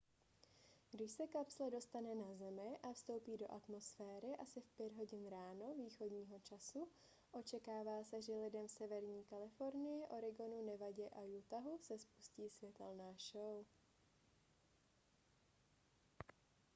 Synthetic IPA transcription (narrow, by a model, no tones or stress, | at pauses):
ɡdɪʃsɛkapslɛdo̞st̪anɛnazɛmɪʔafst̪o̞wpiːdo̞ʔat̪mo̞sfɛːɾɪʔasɪfpjɛdɦo̞ɟɪnɾaːno̞viːxo̞dɲiːɦo̞t͡ʃasu | ʔo̞t͡ʃɛkaːvaːsɛʒɛlɪdɛmsɛvɛɾɲiːkalɪfo̞ɾnɪjɛʔo̞ɾɪɡo̞nunɛvaɟɛʔajut̪aɦusɛspu̥sciːsvjɛt̪ɛlnaːʃow